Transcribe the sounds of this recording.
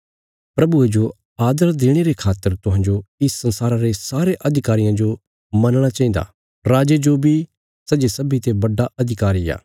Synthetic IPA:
pɾɐbued͡ʒo | aːd̪əɾd̪eːɽ̃eɾekʰaːt̪ːəɾt̪ʊɦãːnd͡ʒoɪssɐ̃nsaːɾaɾesaːɾeʔɐd̪ʱɪkaːɾɪjãd͡ʒo | mɐnɽ̃at͡ʃɐĩːd̪a̰ː | ɾaːd͡ʒed͡ʒobʱi | sɐd͡ʒesɐbʱit̪ebɐɖːaʔɐd̪ʱɪkaːɾija̰ː

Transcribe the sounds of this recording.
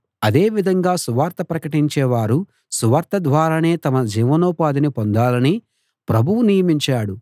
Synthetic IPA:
ɐd̪e̞ːʋid̪ʱɐŋɡaːsuʋaːɾt̪ɐpɾɐkɐʈiɲt͡ʃɛːʋaːɾu | suʋaːɾt̪ɐd̪ʋaːɾaːne̞ːt̪ɐmɐd͡ʒiːʋɐnɔːpaːd̪inipond̪aːlɐni | pɾɐbʱuwunijɐmiɲt͡ʃaːɽu

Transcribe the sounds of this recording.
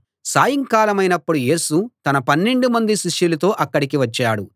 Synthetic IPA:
saːjɐŋkaːlɐmɐjnɐpːuɽuje̞ːsut̪ɐnɐpɐnːe̞ɳɖumɐnd̪iʃiʂjulɐt̪o̞ːʔɐkːɐɽikiʋɐt͡ʃːaːɽu

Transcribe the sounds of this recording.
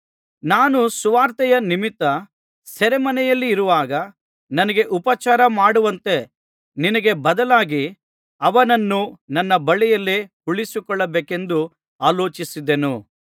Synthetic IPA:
naːnusuʋaːɾt̪ɛjɐnimit̪ːɐ | sɛɾemɐnɛjɐlːiːɾuʋaːɡɐ | nɐnɐɡe̞ʔupɐt͡ʃaːɾɐmaːɽuʋɐnt̪e̞ | ninɐɡe̞bɐd̪ɐlaːɡi | ɐʋɐnɐnːunɐnːɐbɐɭɛjɐlːehuɭisikɔɭːɐbeːke̞nd̪u | aːloːt͡ʃisid̪enu

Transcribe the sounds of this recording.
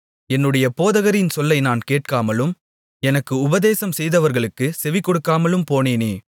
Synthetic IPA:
ɛnːɯɽɐjɐpoːðɐɣɐɾɪnsɔlːɐɪnaːnkeːʈ̚kaːmɐlɯm | ɛnɐkːɯʊbɐðeːsɐmsɛjðɐʋɐɾɣɐɭɯkːɯsɛʋɪkːɔɽɯkːaːmɐlɯmpoːneːneː

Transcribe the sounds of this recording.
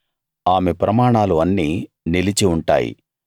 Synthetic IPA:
aːmepɾɐmaːɳaːluɐnːiː | nilit͡ʃiuɳʈa̰ːjḭ

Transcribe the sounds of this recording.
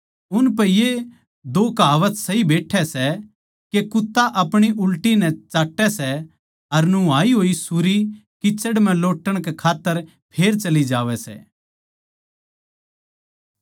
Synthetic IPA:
ʊnp̬ɛje | d̪oːkaːʋət̪sɐɦibeːʈʰɛsɛ | kekʊt̪ːaʔɐpɽ̃iʔʊlʈinɛt͡ʃaːʈːɛsɛ | ɐɾnũaːiɦoːisuɾikɪt͡ʃːəɽmɛ̃loːʈːəɽ̃kɛkʰaːt̪ːəɾ | pʰeːɾt͡ʃɐlid͡ʒaːʋɛsɛ̰ː

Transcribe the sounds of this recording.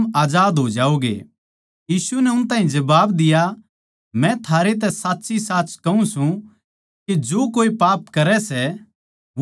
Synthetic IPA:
aːd͡ʒaːd̪ɦoːd͡ʒaːoːɡḛ | jiːsunɛʊnt̪ãːɦĩd͡ʒɐbaːbd̪ɪja | mɛ̃t̪ʰaːɾet̪̬ɛsaːtːsisaːt͡ʃkɐũsũ | kid͡ʒoːkoːipaːpkɐɾɛsɛ

